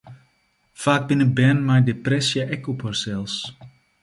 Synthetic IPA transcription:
faːk̚bɪnəbɛnmajdeprɛsjaʔɛkɔpərsɛlˠs

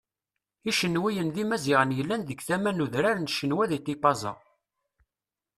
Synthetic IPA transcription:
iʃənːwijənðimæziʁənjəlːænðəɡθæmænuðɾaɾnʃənwæðit̪ipɑzˤɑ̰

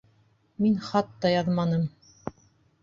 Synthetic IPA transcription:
minχɑt̪ːɑjɑðmɑnɤm

